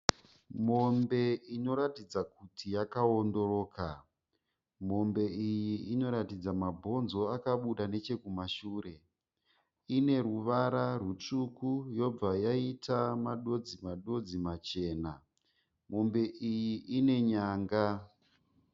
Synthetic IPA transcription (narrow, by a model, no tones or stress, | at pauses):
mo̞mbe̞ino̞ɾatid͡zakutʰijakaondo̞ro̞ːka | mo̞mbe̞ijiino̞ɾatid͡zamabʱo̞nzo̞akaɓuɗane̞t͡ʃe̞kumaʃuːɾe̞ | ine̞ruʋaɾarut͡ʂukujo̞b͡vajaitʰamaɗo̞d͡zimaɗo̞d͡zimat͡ʃe̞ːna | mo̞mbe̞ʔijiʔine̞ɲaːŋɡa